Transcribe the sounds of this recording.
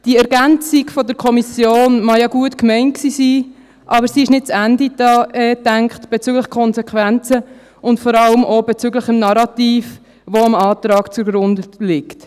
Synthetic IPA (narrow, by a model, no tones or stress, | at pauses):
d̥iəɛɾɡænt͡siɡfɔdəɾkʰɔmisjoːnmɑjɑɡuətkmɛɪnt̚ksiːsiː | ʔɑbəɾsiɪʃnɪt̚t͡sændid̥ɑːɛːtæŋkχtb̥ɛt͡syːɡləχkʰɔnzɛkχʋænt͡sə | ʊntfɔɾɑləmʔobɛt͡syɡləχɪmnɑɾɑtiːf | ʋoɑmɑːtɾɑːɡt͡suɡɾʊndəlɪkt